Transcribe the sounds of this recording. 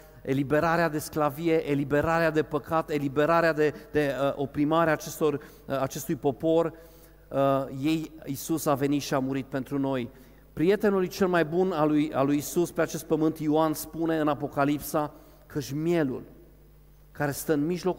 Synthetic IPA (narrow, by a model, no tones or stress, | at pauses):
e̞libe̞ɾaɾead̪e̞sklavie̞ʔelibe̞ɾaɾead̪e̞pəkat̪e̞libe̞ɾaɾead̪ed̪e̞əʔo̞pɾimaɾeaːt͡ʃe̞st̪o̞r | at͡ʃe̞st̪ujpo̞po̞r | je̞jisusave̞nit̪ʃiamuɾit̪̚pe̞nt̪ɾuno̞j | pɾije̞t̪e̞nulujt͡ʃe̞lmajbunaluja̰lujisuspeat͡ʃe̞st̪̚pəmɨnt̪ioanspune̞ɨnapo̞kalipsa | kʰəʃʲmje̞lṵl | kaɾe̞st̪əɨnmiʒlo̞k